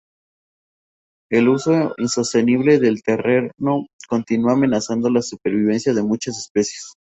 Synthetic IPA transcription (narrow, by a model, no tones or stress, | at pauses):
e̞luso̞inso̞st̪e̞niβ̞le̞ðe̞lt̪e̞re̞ɾno̞ko̞nt̪inuaːme̞nasand̪o̞lasupe̞ɾβiβe̞nsjaðe̞mut͡ʃasespe̞sjes